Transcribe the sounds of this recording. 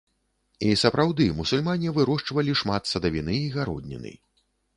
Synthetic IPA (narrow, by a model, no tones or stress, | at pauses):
isɐpɾʔawd̪ɨmusulʲmanʲivɨɾɔʂt͡ʂvɐlʲiʂmat̪sɐd̪ɐvʲinɨiɣaɾɔ̰d̪ʲnʲḭnɨ̰